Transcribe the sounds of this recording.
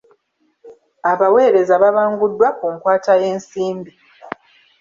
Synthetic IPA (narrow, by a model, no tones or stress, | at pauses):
aβawe̞ːɾe̞zaβaβaːŋɡudːwakuŋkwaːtaje̞ːnsiːmbi